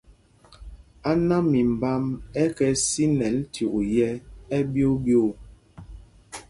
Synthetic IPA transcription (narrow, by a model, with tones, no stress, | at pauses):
a˦na˦mi˨m̩˨ba˦mɛ˦kɛ˨si˦nɛ˨˦ltʰju˨ʔu˨jɛ˦ɛ˦bjo˦bjo˦˨